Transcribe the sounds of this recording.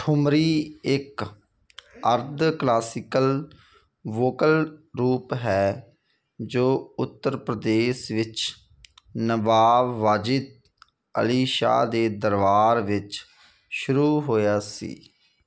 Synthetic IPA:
ʈʰʊmɾiːɪk | əɾd̪klaːsɪkəl | ʋoːkəlɾuːpɦɛː | d͡ʒoːʊt̪ːəɾpɾəd̪eːsʋɪt͡ʃ | nəʋaːʋːaːd͡ʒɪt̪̚ | ə̰liːʃa̰ːd̪eːd̪əɾʋaːɾʋɪt͡ʃ | ʃʊɾuːɦoːjaːsḭː

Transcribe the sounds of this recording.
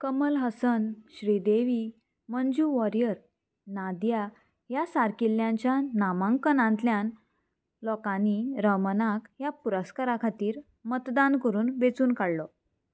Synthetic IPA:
kəməlɦəsənɕɾid̪eʋi | mənd͡ʑuːʋɔɾjəɾ | nad̪ja | jasaɾkilːjaɲt͡ɕjanamãŋkənãnt̪ljan | lɔkaniɾəmənakjapuɾəskaɾakʰat̪iːɾ | mət̪d̪ankəɾuːnʋet͡suːnkaɽlɔ

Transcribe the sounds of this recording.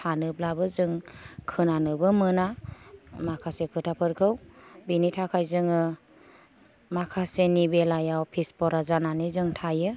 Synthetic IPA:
tʰanɯblabɯzɯŋkʰɯnanɯbɯmɯna | makʰasekʰɯtʰapʰɯɾkʰɯwbinitʰakʰajzɯŋɯ | makʰasenibelajaɔpʰispɔɾazananɯzɯŋtʰajɯ

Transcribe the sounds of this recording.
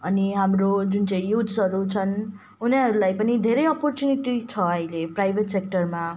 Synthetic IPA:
ʌniɦamrod͡zunt͡saĩjud̪sʌɾut͡sʰʌn | uniʌɾulajpʌnid̪ʱeɾʌjʌpɔrt͡sjuniʈit͡sʰʌʌileprajbʱet̪sek̚ʈʌrma

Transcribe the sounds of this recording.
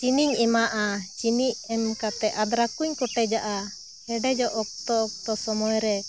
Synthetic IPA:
t͡ʃiniɲɛmaʔat͡ʃiniʔɛmkat̪ɛʔad̪ɾakuɲkɔʈɛd͡ʒaʔa | hɛɖɛd͡ʒɔʔɔk̚t̪ɔːk̚t̪ɔsɔmɔjɾɛ

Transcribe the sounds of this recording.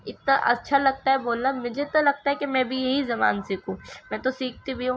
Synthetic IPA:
ɪt̪naʔɐtːʃʰalɐɡ̚t̪aɦɛboːlnamʊd͡ʒʱet̪olɐɡ̚t̪aɦɛkemɛ̃bʱijɐɦizɐma̰ːnsiːkʰũːmɛ̃ːt̪osiːk̚ʰt̪ibʱiɦũ

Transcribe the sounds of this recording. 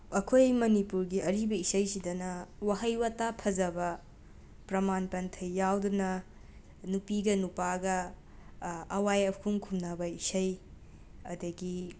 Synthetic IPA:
ɐkʰojmɐnipuɾɡiɐɾibɐisɐjsidɐnɐwaɦɐjwatapʰɐzɐbɐ | pɾɐmanpɐntʰɐjːawdunɐ | nupiɡɐnupaɡɐ | ɐwajɐkʰuŋkʰumnɐbɐisɐj | ɐ̰dɐɡi

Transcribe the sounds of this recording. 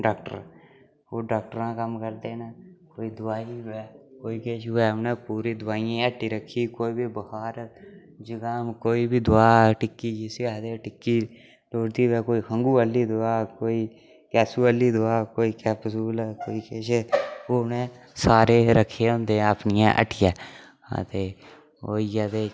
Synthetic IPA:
ɖaːkʈə̰ɾ | oːɖaːkʈəɾãːkəmkəɾd̪eːnəkoːiːd̪ʊaːiɛːkoːiːkeːʃɛːnẽːpuːɾiːd̪ʊaːijãːɛːʈːiːɾəkʰːiːkoːiːbʱiːbəhaːɾ | d͡ʒəɡãːmkoːiːbʱiːd̪ʊaːʈɪkːiːd͡ʒɪsad̪eʈɪkːiː | loːɽd̪iːʋɛːkoːiːhʰəŋɡuːəliːd̪ʊaːkoːiː | kɛːsuːəliːd̪ʊaːkoːiːkɛːpəsuːlkoːiːkeːʃpuːnẽː | saːɾeːɾəkʰːeõnd̪eːəpnɪjãːʔə̰ʈʰɪjaː | a̰t̪eː | oːijad̪eː

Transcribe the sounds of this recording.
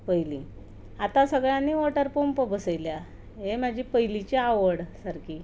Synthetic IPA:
pəjlĩ | at̪ãsəɡɭjanːiʋoʈəɾpompəbʱəsəjlja | ɦemad͡ʑʱipəɦjlit͡ɕeaʋəɽsaɾki

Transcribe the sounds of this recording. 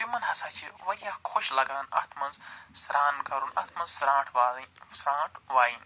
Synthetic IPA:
timɐnɦɐsaːt͡ʃʰiʋɐijakʰoʃlɐɡaːnɐ̰t̪ʰmɐnzsɾʔaːnkɐɾunɐ̰t̪ʰmɐnzsɾãːʈʰʋaːsɾãːʈʰʋaːin

